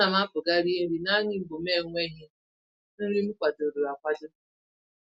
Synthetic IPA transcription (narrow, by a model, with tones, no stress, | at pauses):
a˨ma˦pʊ˨ɡa˦ɾi˦e˦ɾi˨na˦ɲɪ˦m̩˦ɡ͡bo˨m˦e˦˨ŋʷe˦ɦɪ˦ | n̩˦ɾi˦m̩˦kʷa˨to˨ɾu˨a˨kʷa˦dʊ˦